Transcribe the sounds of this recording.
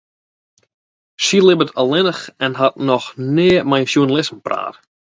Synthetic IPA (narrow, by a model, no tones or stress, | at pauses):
ʃilɪbətʰalˠɪnəxɛnɦat̚nɔxneːmɛjnʃjunalɪsmpra̰ːr